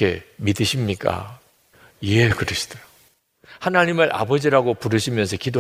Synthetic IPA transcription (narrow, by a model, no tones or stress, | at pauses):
e̞midɯɕʰimɲik͈a̰ | jekɯɾeɕʰi̥d̥ʌo | hanaɲimɯɾʔa̰bʌd͡ʑiɾaɡopuɾɯɕʰimjʌns̬ʰʌkido